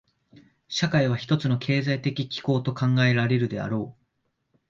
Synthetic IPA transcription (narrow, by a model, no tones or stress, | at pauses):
ɕakaiβ̞açi̥t̪o̞t͡sɨno̞kʰe̞ːzait̪e̞kʲikʲi̥ko̞ːt̪o̞kãŋɡae̞ɾaɾe̞ɾɯ̟d̪e̞a̰ɾo̞ː